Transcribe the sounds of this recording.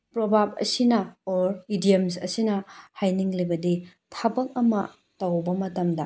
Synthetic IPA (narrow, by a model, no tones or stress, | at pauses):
pɾobʱab̚ɐ̰sinɐoɾidiemsɐsinɐhajniŋlibɐdi | tʰabɐk̚ɐmɐ̰ | tɐwbɐmɐtɐmdɐ